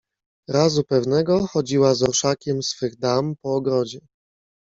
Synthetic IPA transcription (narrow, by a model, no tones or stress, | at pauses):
ɾazupɛvnɛɡɔxɔd͡ʑiwazɔɾʂakʲɛmsfɘɣd̪ampɔːɡɾɔd͡ʑɛ